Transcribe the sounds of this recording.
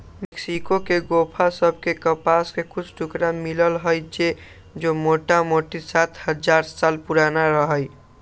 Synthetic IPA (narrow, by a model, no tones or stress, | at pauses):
meksikokeɡopʰasəbʱkekəpaskekut͡ʃʰʈʰukɾamiləlɦəjd͡ʒe | d͡ʒomoʈamoʈisat̪ʰhəd͡ʒaɾsalpuɾanaɾəɦəj